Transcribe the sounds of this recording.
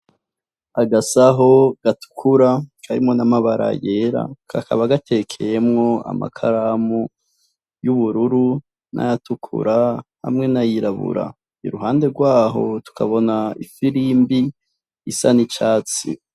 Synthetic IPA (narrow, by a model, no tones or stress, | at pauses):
aɡasaɦo̞ɡ̥atu̥kʰuɾakʰaɾimŋo̞namaβaɾa̰je̞ɾa̰kʰa̰kaβaɡate̞kʰe̞je̞mŋo̞a̰ma̰kʰaɾamu | juβuɾuɾu | nʔa̰jatukʰṵɾaha̰mŋe̞najiɾaβṵɾa̰ | iɾuɦaːnde̞ɾɡwaːɦo̞̰tu̥kʰaβo̞naifiɾimbiː | sanit͡ʃaːt͡sḭ